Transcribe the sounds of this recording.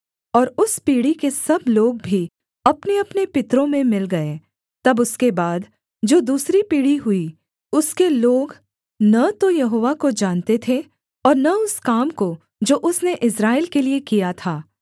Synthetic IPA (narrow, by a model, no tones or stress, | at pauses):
ɔːɾʊspiːɽikesɐbloːɡ̚bʱi | ɐpneɐpnepɪt̪ɾõmẽmɪlɡɐe | t̪ɐbʊskebaːd̪ | d͡ʒoːd̪uːsɾipiːɽiɦʊi | ʊskeloːɡ | nɐt̪ojɐɦoːʋakod͡ʒaːnt̪et̪ʰe | ɔːɾnɐʊskaːmko | d͡ʒoːʔʊsneʔɪsɾaːɪlkeliekijat̪ʰaː